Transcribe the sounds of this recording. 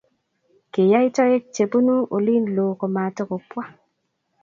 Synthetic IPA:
ke˨ja˦i˦tɔ˦je˦k̚t͡ʃe˨bu˦nu˦ʔo˨li˦nloː˨ko˨ma˨tə˦ko˨pwa˦

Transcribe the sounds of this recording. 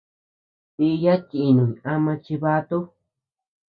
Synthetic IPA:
t̪i˧ja˦ti˨nũ˨ɲĩ˨a˦mã˧t͡ʃi˧βa˧t̪u˦

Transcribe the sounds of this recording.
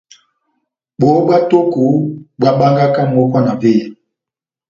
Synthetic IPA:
ɓo˨˦ɓa˦to˦ku˨bwa˦ɓa˦ŋɡa˦ka˦m˨ɔ˦kwa˦na˨ve˦˨

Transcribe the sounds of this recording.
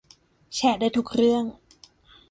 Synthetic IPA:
t͡ɕʰɛː˧˩tdaː˥˩jt̪ʰu˨˩k̚ɾɯ˥˩əŋ

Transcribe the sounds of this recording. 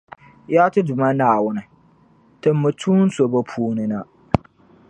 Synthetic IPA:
jaː˦tɨ˦dʊ˨ma˦naː˨wʊ˦nɨ˨ | tɨ˨mːɨ˨tʰuː˦n̩˦so˨bo˦pʰuː˦nɨ˦na˦

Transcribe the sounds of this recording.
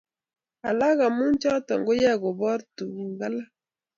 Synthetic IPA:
a˨la˦ɣa˨mu˦nt͡ʃɔ˦ta˨ŋɡo˦ja˦˨ɣo˨bɔ˦ɾtu˨i˨ŋɡa˦la˦

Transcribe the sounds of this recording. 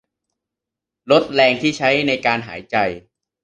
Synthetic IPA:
lo˦˥t̪̚lɛː˧ŋt̪ʰiː˥˩t͡ɕʰa˦˥jna˧jkaː˧nɦaː˩˦jt͡ɕa˧j

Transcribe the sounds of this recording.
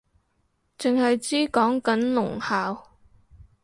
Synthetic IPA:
t͡sɪ˨ŋhɐ˨jt͡siː˥kɔː˨˥ŋkɐ˨˥nlʊ˨˩ŋhaː˨w

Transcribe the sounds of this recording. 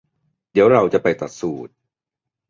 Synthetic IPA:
d̪i˨˦əwɾa˧wt͡ɕa˨˩pa˧jt̪a˨˩t̪̚suː˨˩t̪̚

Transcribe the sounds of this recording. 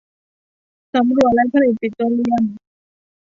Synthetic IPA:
sa˨˦mɾu˨˩ət̪̚la˦˥j̚pʰa˧li˨˩t̪̚pi˨˩t̪̚ːo˧˥li˧ə˨˩n

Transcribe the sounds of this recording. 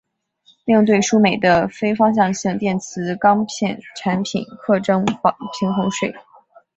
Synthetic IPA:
ljŋt̪we˥˩ɪʂu˥me˨˩ɪd̪ə˦fe˥ɪfɑ˥ŋɕ̬jɑ˥˧ŋɕɑ˥˧ŋt̪jɛ˥˩nt͡sʰɹ̩˧˥kɑ˥ŋpʰjɛ˥˩nʈ͡ʂʰa˧˥npʰḭ˨˩˦nkʰɤ˥˩ʈ͡ʂɤ˥ŋfɑ˨˩ŋpʰi˧˥ŋxʊ˧˥ŋʂwe˥˩ɪ

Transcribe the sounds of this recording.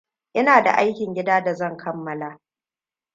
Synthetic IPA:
ʔɪ˦naː˨da̰˨ʔa˦jkʲɪ˨ŋɡʲɪ˦daː˦da˨zɐ˦˨ŋkʰɐ˦mːɐ˦laː˨

